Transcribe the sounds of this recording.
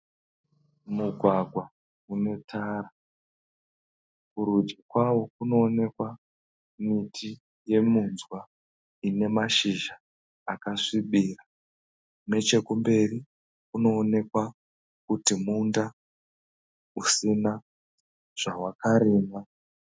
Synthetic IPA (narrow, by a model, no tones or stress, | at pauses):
muɡʱwaɡʱwa | une̞tʰaːɾa | kuɾud͡ʒakwawokuno̞ːne̞kwa | mitʰi | je̞munzwa | ine̞maʃiʒaː | kaʂiɓiːra | me̞t͡ʃe̞kumbe̞ri | kuno̞ːne̞kwa | kutimunda | usina | ʐ̥awakaɾeːma